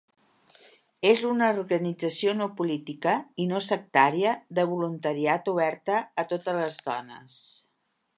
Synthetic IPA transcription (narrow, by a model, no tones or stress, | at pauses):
ezunəurɣənid͡zəsionoupulit̪ikəinosək̚t̪aɾiəðəβulunt̪əɾiat̪uβ̞ɛɾt̪əːt̪ot̪ələzðɔ̰nə̰s